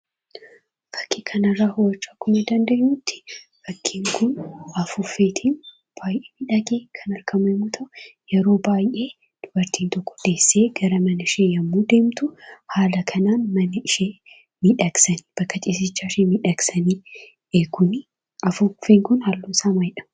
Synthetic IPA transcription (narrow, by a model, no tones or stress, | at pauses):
fɐ̥kʰːiːkʰɐnɐrːaːhʊwɐt͡ʃːaːkːʊmɐd̪ɐnd̪ɐʔːuːt̪ːɪ̥ | fɐkʰːiːŋkʰʊnɐfʊfːe̞ːt̪ʰiːn | b̥aːjʔeːmiᶑɐɡeːkʰɐnɐɾkɐmɛmːuːt̪ʰɐʔʊjɛɾo̞ːbaːjʔe̞ː | d̪̥ʊbɐɾt̪ʰiːnt̪ɔkːɔ̥d̪̥e̞ːsːeːɡ̥ɐɾɐmɐnɐɪʃeːjɐmːuːd̪e̞ːmt̪ʊhaːlɐkʰɐnaːnmɐnɐɪʃeː | miᶑɐksɐniːb̥ɐkːɐt͡ʃʼiːs̬ɪt͡ʃːaːɪʃeːmiᶑɐksɐniː | ekʊn | ɐfʊfeːŋkʊnhalːuːsaːmɐjɪᶑɐ̥m